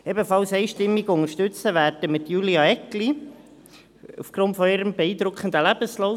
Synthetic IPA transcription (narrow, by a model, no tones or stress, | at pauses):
ɛbəfɑlsɛɪʃtɪmːiɡʊŋəʃtʏt͡səʋæːɾdəmɪt̪juliɑɛkli | ṵfɡ̥ɾʊntfɔɪɾəmbeiːd̪ɾʊkχənd̪əlæb̥əslo